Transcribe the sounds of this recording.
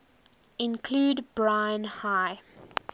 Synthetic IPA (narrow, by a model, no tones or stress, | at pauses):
ɪ̃nkʰluːdbɹãɪ̃nhaɪ